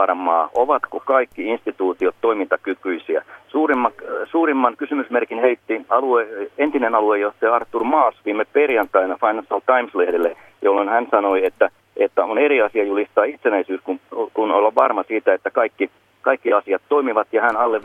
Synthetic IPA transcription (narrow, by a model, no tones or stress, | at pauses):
ɑrmɑːʔoʋɑt̪kokɑikːiinst̪it̪uːt̪iot̪toimint̪ɑkykːˑyisiæ̰suːrimːɑsuːrimːɑnkysymysmerkinheit̪ːiɑlueent̪inenɑluejoht̪ːɑjɑɑrt̪ːurmɑːsʋiːmːeperjɑnt̪ːˑɑinɑfɑinɑnsɑlt̪ɑimslehdelːe | jolːonhænsɑnoiet̪ːæ | et̪ːæoneɾiɑsiɑjulist̪ɑːit̪senæisyːskunkuno̰lːɑʋʋɑrmɑsiːt̪æet̪ːækɑikːi | kɑikːiɑsiɑt̪toimiʋɑt̪jɑhænɑlːe